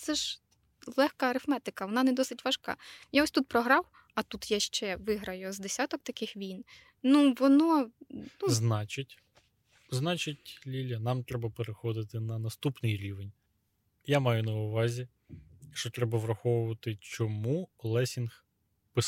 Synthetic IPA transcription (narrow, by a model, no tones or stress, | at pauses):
t̪sɛʒ | lˠɛxkɐɐɾɪfmɛt̪ɪkɐʋɔnɑnɛd̪ɔsɪtʲʋɐʃkɑ̰jaɔsʲt̪ut̪̚pɾɔɦɾɑw | ɐt̪ut̪jaʃt͡ʃɛʋɪɦɾɐjʊzd̪esʲat̪ɔk̚t̪ɐkɪxʋʲin | nuʋɔnɔnuznɑt͡ʃɪtʲ | znɑt͡ʃɪtʲlʲilʲɐnɑmt̪ɾɛbɐpeɾexɔd̪ɪt̪ɪnɐnɐst̪upnɪjɾʲiʋenʲ | jamɑjʊnɐʊʋɑzʲi | ʃt͡ʃɔt̪ɾɛbɐʋɾɐxɔʋʊʋɐt̪ɪt͡ʃɔmulˠɛsʲinx | pɪs